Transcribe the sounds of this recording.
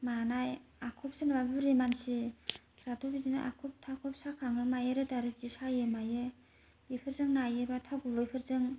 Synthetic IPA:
manajakʰɔp̚sɯnbabɯɾimansikʰɾatʰobidinaʔa̰kʰɔp̚tʰakʰɔp̚sakʰaŋɯmajeɾɯdaɾɯd͡ʒisajɯmajɯ | ipʰɯɾzɯŋnajɯbatʰaɡubɯipʰɯɾzɯŋ

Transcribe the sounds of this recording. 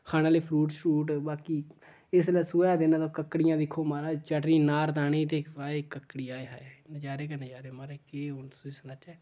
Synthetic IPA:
kʰaːnãːleːpʰɾuːʈʃuːʈbaːkiː | ɪslaːsuːeːd̪eːnãːt̪aːkəkːɽɪjãːd̪ɪkʰːoːmaːɾaːt͡ʃaʈɾiːnaːɾd̪aːneːt̪eːaːeːkəkːɽiːaːeːɦand͡ʒaːɾeːkəned͡ʒaːɾeːmaɾeːkeːonsueːsənaːt͡ʃaː

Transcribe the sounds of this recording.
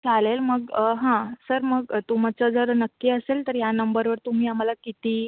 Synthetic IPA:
t͡salelməɡəɦãsəɾməɡt̪um̤at͡səd͡zəɾnəkːiəselt̪əɾjanəmbəɾʋəɾt̪um̤iːam̤alakit̪iː

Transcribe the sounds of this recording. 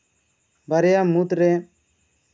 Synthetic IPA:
baɾɛjamut̪ɾɛ

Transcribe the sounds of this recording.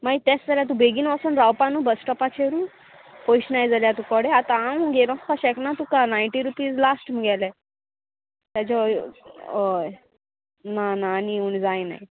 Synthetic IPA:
mait̪ɛsd͡zaljat̪ubeɡiːnasənɾawpanũbəsʈɔpat͡ɕʰeɾu | poiɕnajd͡zaljat̪ũkɔɽeat̪aamũɡeɾɔ̃skaɕɛknat̪ukanajɳʈiɾupiːd͡zlasʈməɡɛlɛ | t̪jat͡ɕɔ | oj | nanaːniund͡zajna̰j

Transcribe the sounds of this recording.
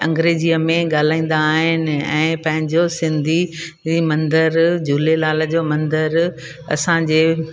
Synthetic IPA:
ɐ̃ŋɡɾeːd͡ʑijəmẽɠaːl̤aːĩːn̆d̪aːɦɪnɪ̆ɛ̰̃ːpɐ̃ɦɪ̃ɲd͡ʑosɪ̃nd̪ʱi | imɐ̃nd̪əɾd͡ʑuːlelaːl̤əd͡ʑomɐ̃nd̪əɾ | ɐ̰sãd͡ʑeː

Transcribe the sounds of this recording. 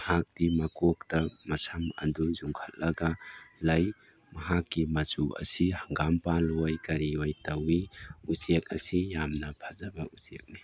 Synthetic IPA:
hak̚d̥imɐkok̚tɐmɐsɐmɐ̰nduzuŋkʰɐt̚lɐɡɐlɐj | mɐɦakːimɐzuʔɐ̰sihɐŋɡampanlojkɐɾiojtɐwiusek̚ɐsijamnɐpʰɐzɐbɐusek̚ni

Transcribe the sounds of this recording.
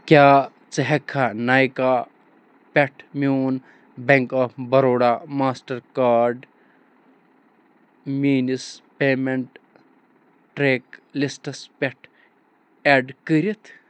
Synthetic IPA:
kʲaː | t͡sɐɦɐkʰːanaːjkaː | pʲeʈʰmʲuːn | beŋkɐfbɐɾoːɽaːmaːsʈɐɾkaːɾɖ | miːnispeːmeɳʈ | ʈɾeklisʈɐspʲeʈʰ | eɖkəɾit̪ʰ

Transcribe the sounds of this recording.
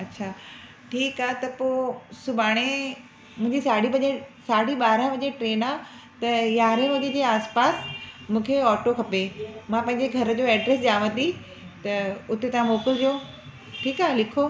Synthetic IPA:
ɐtːɕʰaː | ʈʰiːkaːɦet̪ɐpoːsʊbʱaːɽ̃e | mʊ̃ɦɪ̃ɲd͡ʑisaːɽibɐʄesaːɽiɓaːɾə̃ʋɐʄeʈɾeːnaː | t̪ɐjaːɾẽɦʊd͡ʑed͡ʑeːaːspaːsmũːkʰeɔːʈokʰɐpemãpɐ̃ɦɪ̃ɲd͡ʑeɡʱɐɾə̆d͡ʑoːɛːɖɾeːsd͡ʑaːʋə̃t̪i | t̪ɐʊt̪et̪ɐʋ̤ãmoːkɪld͡ʑoː | ʈʰiːkaːɦlɪkʰo

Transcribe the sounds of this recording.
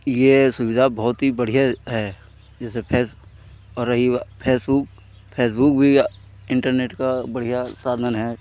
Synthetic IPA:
jesʊʋɪd̪ʱabɔɦʊt̪ɦibɐɽ̤ijaɦɛ | d͡ʒɛːsepʰeːs | ɔːɾɐɦipʰeːsbʊk̚ | pʰeːs̬bʊk̚bʱi | ɪ̃ɳʈəɾneːʈkabɐɽ̤ijasaːd̪ʱənɦɛː

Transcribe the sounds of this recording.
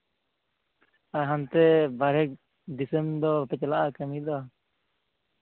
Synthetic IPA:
aɦant̪ɛbaɾɛk̚ | d̪isəmd̪ɔpɛt͡ʃlaʔakəmid̪ɔ

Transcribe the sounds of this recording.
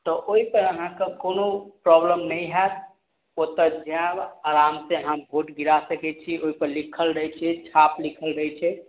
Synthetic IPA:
t̪ɔʔoipəɾəɦãkekonopɾɔbləmnəjɦɛt̪̚ | ot̪əd͡ʒabaɾamseɦəmbʱoʈɡiɾasəkɛt͡ʃʰioipəɾlikʰəlɾəɦt͡ʃʰɛt͡ʃʰaplikʰəlɾəɛt͡ʃʰɛ

